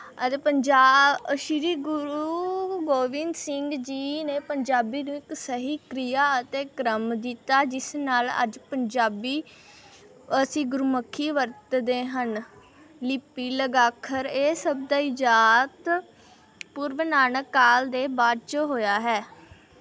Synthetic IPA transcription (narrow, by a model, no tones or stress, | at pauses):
ət̪eːpəɲd͡ʒaːʃɪɾiːɡʊɾuːɡoːʋɪnsɪŋɡd͡ʒiːneːpəɲd͡ʒaːbiːnũːɪksəɦiːkɾiːjaːət̪eːkɾəmd̪it̪aːd͡ʒɪsnaːlə̰d͡ʒpəɲd͡ʒaːbiː | əsĩːɡʊɾuməkʰːiːʋəɾt̪d̪eːɦən | lɪpːiːləɡaːkʰəɾeːsəbd̪aːɪd͡ʒaːt̪ | pʊɾʋnaːnəkːaːld̪eːbaːd̪t͡ʃəɦoːjaːɦɛː